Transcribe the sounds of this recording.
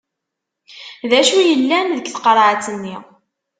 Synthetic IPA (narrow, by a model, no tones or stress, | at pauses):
ðæʃujəlːænðəɡθqəɾˤʕat͡sːənːi